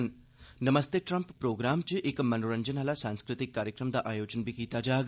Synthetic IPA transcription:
n | nɐmɐst̪eʈɾɐmppːɾoːɡɾaːmt͡ʃɨʔekmɐnuɾɐɲd͡ʒɐnɦɐlasaːŋskɾɨt̪ikːaːɾjɐkɾɐmd̪aʔaːjoːt͡ʃɐnbikiːt̪aːd͡ʒaːɡ

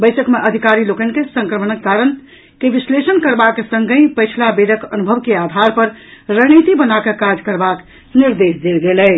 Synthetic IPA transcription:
bəjsəkmeʔəd̪ʱikaɾilokənkesə̃ŋkɾəmənəkːaɾən | keʋislesənkəɾbaksə̃ŋɡə̃ĩpəɪt͡ʃʰlabeɾəkənubʱəbkead̪ʱaɾpəɾɾəɦnit̪ibənakekad͡ʒkəɾbak | niɾd̪esd̪elɡelɛ

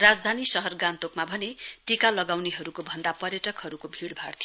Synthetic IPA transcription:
rad͡zd̪ʱanisʌɦʌrɡant̪okmabʱʌneʈikalʌɡawneɦʌɾukobʱʌnd̪apʌrjʌʈʌkhʌɾukobʱiɽbʱart̪ʰ

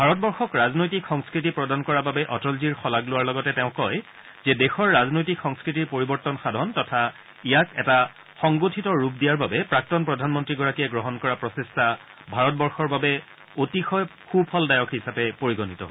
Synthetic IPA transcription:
bʱaɹɔt̚bɔɹxɔkɹaznojtikxɔŋskɹit̬ipɹɔdankɔɹababɛʔɔtɔlziɹxɔlaɡlʊwaɹlɔɡɔtɛtɛʊ̃kɔj | zɛdɛxɔɹːaznojtikxɔŋskɹitiɹpoɹibɔɹtɔnxadʱɔntɔtʰa | ijakɛta | xɔŋɡotʰitɔɹup̚dijaɹbabɛpɹak̚tɔnpɹɔdʱanmɔntɹiɡɔɹakijɛɡɹɔɦɔnkɔɹapɹɔsesta | bʱaɹɔtbɔɹxɔɹbabɛ | otixɔjxupʰɔldajɔkʰɦisapɛpoɹiɡɔnitɔ̰ɦ

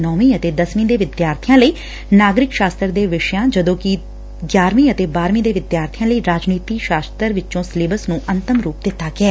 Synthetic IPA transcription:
nɔːmiːət̪eːd̪əsmĩːd̪eːʋɪd̪jaːɾt̪ʰijãːləiː | naːɡɾɪkʃaːst̪əɾd̪eːʋɪʃəjãːd͡ʒəd̪õːkɪ | ɡjaːɾmĩːət̪eːbaːɾmĩːd̪eːʋɪd̪jaːɾt̪ʰɪjãːləiːɾaːd͡ʒniːt̪iːʃaːst̪əɾʋɪt͡ʃõːsleːbəsnũːʔənt̪əmɾuːp̚d̪ɪt̪ːaːɡɪɛː

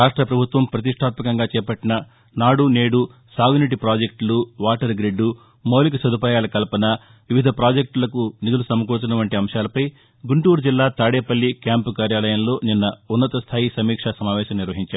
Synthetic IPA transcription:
ɾaːʂʈɾɐpɾɐbʱut̪ʋɐmpɾɐt̪̬iʂʈʰaːt̪mɐkɐŋɡaːt͡ʃɛːpɐʈːinɐ | naːɽune̞ːɽu | saːɡuniʈipɾaːd͡ʒek̚ʈluʋaːʈɐɾɡɾeɖːu | moːlik̬ɐsɐd̪upaːjaːlɐkɐlɐpɐnɐ | ʋiʋid̪ʱɐpɾaːd͡ʒek̚ʈlɐkunid̪ulusɐmɐkuːt͡ʃunɐʋɐɳʈiɐmʂjaːlɐpɐj | ɡuɳʈuːɾud͡ʒilːaːt̪aːɽeːpɐlːikjaːmpukaːɾjaːlɐjɐmlo̞ːninːɐunːɐt̪ɐst̪ʰaːjisɐmiːkʂasɐmaːʋɛːʃɐmniɾʋɐɦiɲt͡ʃaːɾu

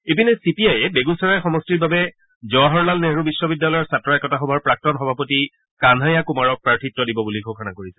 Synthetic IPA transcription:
epinɛsipiajɛbeɡunsɔɹajɛxɔmɔstiɹbabɛ | zɔaɦɔɹlalneɦɹubisːɔbidːalɔjɔɹsatːɹɔɛkɔtaxɔbʱɔɹpɹak̚tɔnxɔbʱapɔti | kandʱajakumaɹɔk̚pɹaɹtʰitːɔdibɔbulikʰɔkʰanakoɹisɛ̥

